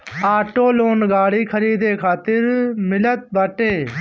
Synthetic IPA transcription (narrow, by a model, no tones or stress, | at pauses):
aːʈoːloːnɡaːɽiːkʰəɾiːd̪eːkʰaːt̪əɾmɪlət̪̚bəʈeː